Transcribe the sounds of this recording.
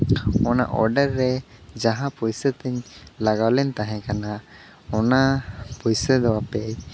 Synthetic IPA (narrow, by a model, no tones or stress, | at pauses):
ɔna̰ʔɔ̰ɾɖəɾːɛd͡ʒaɦapujsət̪iɲlaɡawlɛnt̪ãɦɛ̃kana | ɔnapujsəd̪ɔwape